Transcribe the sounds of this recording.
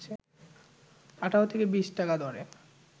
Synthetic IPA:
t͡ɕʰe | aʈʰaot̪ʰekebiʃʈakad̪ɔɾe

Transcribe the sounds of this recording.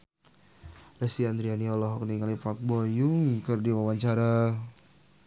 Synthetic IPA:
dasiand̪ɾianiɔlɔɦɔkniŋalipak̚bɔjʊŋkɨrdiwawaɲt͡ʃaɾa

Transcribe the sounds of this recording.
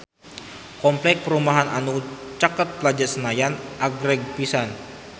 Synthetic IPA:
kɔmplɛk̚pəɾumaɦana̰nut͡ʃakat̪̚pəlad͡ʒasənajanʔaɡɾɛɡ̚pisan

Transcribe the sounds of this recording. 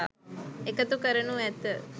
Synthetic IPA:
a̰ekət̪ukəɾəɳuɛt̪

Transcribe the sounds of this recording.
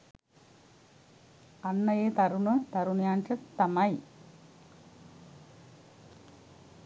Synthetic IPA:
ɐnːɐjeːt̪ɐɾunɐt̪ɐɾunjaːnt͡ɕɐt̪ɐmaj

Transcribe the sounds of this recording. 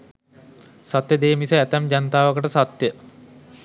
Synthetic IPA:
sat̪jəd̪eːmisəæt̪æmd͡ʑant̪aːʋəkəʈəsat̪jə

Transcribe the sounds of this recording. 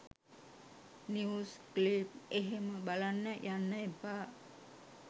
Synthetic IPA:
niusklip̚eɦeməbalanːajanːajpa

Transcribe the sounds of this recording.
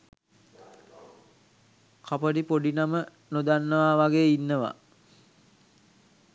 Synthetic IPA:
kapəɖipoɖinamə | nod̪anːəʋaʋaɡeːinːəʋa̰

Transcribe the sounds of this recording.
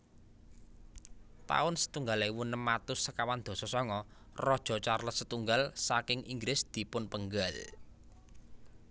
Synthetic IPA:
t̪a̰ʊnsə̥t̪uŋɡalewunəmːat̪ʊsːəkawand̪̥o̤sɔsɔŋɔ | rɔd̥ʒ̥ɔ̤t͡ʃarlət̪̚sət̪uŋɡalsakɪŋiŋɡɾɪsd̪̥i̤pʊnpəŋɡal

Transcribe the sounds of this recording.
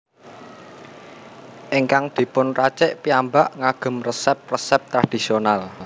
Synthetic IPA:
ʔiŋkaŋd̪̥i̤pʊnrat͡ʃɪʔpiambaʔŋaɡ̥ə̤mrəsɛp̚rəsɛp̚t̪ɾad̥i̤sional

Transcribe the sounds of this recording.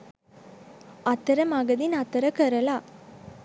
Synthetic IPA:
ɐt̪ːɐɾɐmɐɡɐðɪnɐt̪ːɐɾɐkɐɾɐlaː

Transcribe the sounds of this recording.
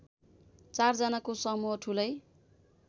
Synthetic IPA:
t͡sard͡zʌnakosʌmuɦʌʈʰulʌj

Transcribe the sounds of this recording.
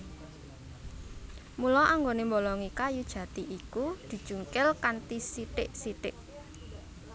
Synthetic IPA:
mulɔʔaŋɡonembolɔŋikajud̥ʒ̥ä̤t̪iʔikud̪̥i̤d̥ʒ̥ṳŋkɪlkant̪isiʈɪʔsiʈɪʔ

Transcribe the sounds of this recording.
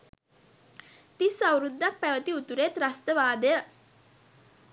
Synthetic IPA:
t̪isawɾud̪ːak̚pæʋət̪iut̪uɾet̪ɾast̪əʋaːd̪əjə

